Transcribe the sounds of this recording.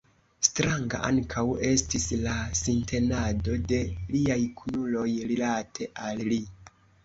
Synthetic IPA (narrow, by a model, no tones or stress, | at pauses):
stɾaŋɡa̰ʔa̰ŋkʰawe̞stislasintʰe̞nado̞de̞liajkʰunulo̞jɾilatʰe̞ʔalli